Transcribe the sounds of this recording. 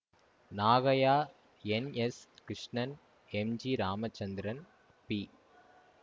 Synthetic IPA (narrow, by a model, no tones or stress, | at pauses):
naːɣɐjaː | ɛneskɾɪʂɳɐn | ɛmd͡ʒiɾaːmɐt͡ʃːɐnd̪ɪɾɐn | pi